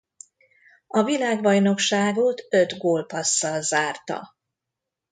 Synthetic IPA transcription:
ɒvilaːɡbɒjno̞kʃaːɡot̪ø̞d̪ɡoːlpɒsːɒlzaːrt̪ɒ̰

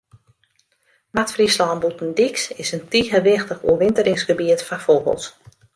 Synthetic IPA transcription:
matfrislɔːmbutn̩diksɪsəntiːɣəʋɪxtəxṵəʋɪntəɾɪŋsɡəbiətfafolˠbə̰lˠt

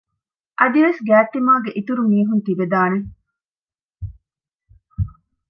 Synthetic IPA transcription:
ʔɐd̪iʋesɡæːt̪ːimaːɡeʔit̪uɾumiːɦunt̪iʋed̪aːne

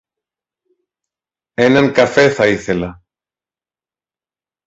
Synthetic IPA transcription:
enaŋkafeθaiθela

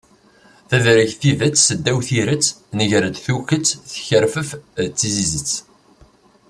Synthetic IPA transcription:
θæðɾəçθiðæt͡sːsəd̪ːæwθiɾət͡sːnəʝɾəd̪θuçət͡sːθçəɾfəft͡sːizizət͡sː

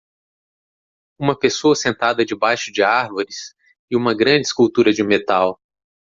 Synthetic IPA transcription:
ũmɐpesoɐsẽnt̪ad̪ɐd͡ʒɪbajʃʊd͡ʒɪaɾvoɾɪs | ɪũmɐɡɾɐ̃d͡ʒɪskuwt̪uɾɐd͡ʒɪmet̪aw

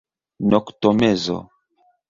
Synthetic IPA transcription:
nɔktɔmɛzɔ̰

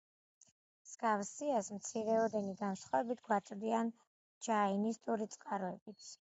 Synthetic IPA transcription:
mz̥ɡafsiasmt̪sʰiɾɛɔd̪ɛniɡansχavɛbit̪ʰɡwat̪sʼɾd̪ian | d͡ʒainist̪ʼuɾit̪sʼqʼaɾɔɛbit̪s

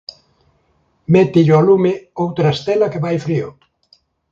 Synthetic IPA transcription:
mɛt̪iʎɔlumeowt̪ɾaest̪ɛlɐkeβajfɾio̰

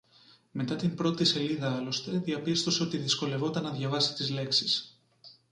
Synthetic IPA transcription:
me̞t̪ɐt̪imbɾo̞t̪ise̞liðɐɐlo̞st̪e̞ðiɐpist̪o̞se̞o̞t̪iðisko̞le̞vo̞t̪ɐnːɐðʝɐvɐsi̥t̪izle̞ksis

